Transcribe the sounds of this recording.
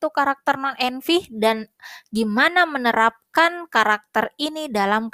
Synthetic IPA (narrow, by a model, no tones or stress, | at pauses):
t̪ukaɾak̚t̪ərnanɛnfihdanɡimanamənəɾap̚kankaɾak̚t̪ərinidalamk